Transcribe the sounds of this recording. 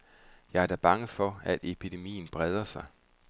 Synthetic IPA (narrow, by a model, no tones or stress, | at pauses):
jɑ̈ɪæɐd̥æb̥ɑ̈ŋəfɒ̽æd̥e̝pʰid̥e̝mḭːn̩b̥ʁɛð̞ˠɐsɑ̈ɪ